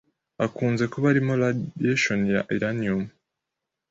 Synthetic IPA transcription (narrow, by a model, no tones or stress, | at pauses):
akuːnze̞koβaɾimolajeʃonja̰ʔiɾanium